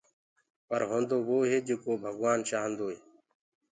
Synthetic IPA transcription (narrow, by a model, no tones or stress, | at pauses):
pəɾɦõːnd̪oːʋoːɦeːd͡ʒeːkoːbʱəɡʋaːnʃaːɦənd̪oːeː